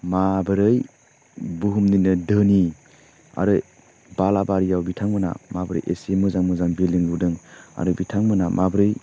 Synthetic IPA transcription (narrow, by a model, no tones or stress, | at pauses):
mabɯɾɯj | buɦumninɯdɯni | a̰ɾɯ | balabaɾijawbitʰaŋmɯna̰mabəɾɯ̰jʔḛsemɯzaŋmɯzaŋbilɯŋludɯŋa̰ɾɯbitʰaŋmɯnamʔabɯɾɯj